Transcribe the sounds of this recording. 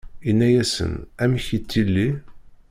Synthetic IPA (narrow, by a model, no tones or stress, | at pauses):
inːæjæsə̰næməçit͡sːilːi